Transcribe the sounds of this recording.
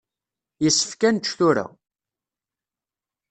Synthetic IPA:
jəsːə̥fkænʃθuɾa̰

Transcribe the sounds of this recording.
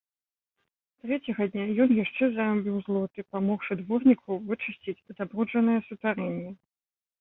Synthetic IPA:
t̪ɾɛt͡sʲɛɣɐd̪ʲnʲajɔnjaʂt͡ʂɛzaɾabʲiwzlˠɔt̪ɨpamɔxʂɨd̪vɔrnʲikʰɐwvɨt͡ʂɨsʲt͡sʲit͡sʲd̪abɾud͡ʐɐnɨjɛsut̪vaɾɛnʲːɛ

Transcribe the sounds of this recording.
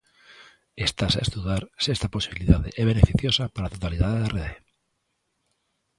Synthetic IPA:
est̪asaest̪uðaɾsest̪apo̞siβiliðaðeʔeβ̞e̞ne̞fiθjosapaɾaat̪ot̪aliðaðareðe

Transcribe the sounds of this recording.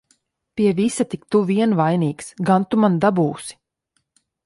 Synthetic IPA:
piɛvisat̪ikt̪uviɛnvajniːksɡant̪umand̪abuːsi̥

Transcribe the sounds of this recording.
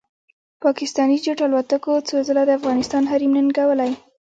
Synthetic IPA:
pɑkɪst̪ɑnid͡ʒoʈalwat̪əkot͡sozəlad̪əafɣɑnɪst̪ɑnɦaɾimnənɡawəlaj

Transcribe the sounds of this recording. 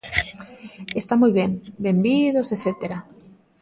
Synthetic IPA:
est̪amujβeŋbembiðoseθet̪eɾa

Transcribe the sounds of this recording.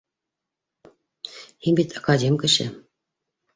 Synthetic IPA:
himbit̪ʰɑkɑdʲemʲkɘ̆ɕɘ̰̆

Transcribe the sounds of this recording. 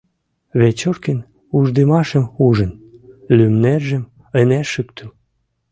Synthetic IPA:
βet͡ɕorken | uʒd̪emɑʃə̆muʒə̆nlymneʒə̆m | ə̆næʃykt̪ʰø̆m

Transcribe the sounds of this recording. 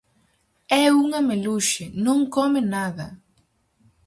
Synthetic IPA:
ɛuŋɐmeluʃenõŋkɔmɪnaðɐ

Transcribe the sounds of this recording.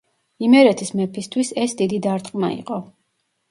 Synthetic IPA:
imɛɾɛt̪ʰismɛpʰist̪ʰwisɛsd̪id̪id̪aɾt̪ʼqʼma̰ḭqʼɔ

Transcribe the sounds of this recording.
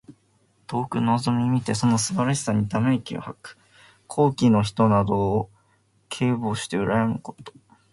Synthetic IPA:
t̪o̞ːkɯ̟nozo̞mʲimʲit̪e̞so̞no̞sɨbaɾaçʲi̥saɲ̟it̪ame̞kʲḭo̰hakɯ̟̥ | kʰo̞ːkʲino̞çi̥t̪o̞nad̪o̞ː | kʰe̞ːboːɕi̥t̪e̞ɯ̟ɾajamɯ̟ko̞̥t̪o̥

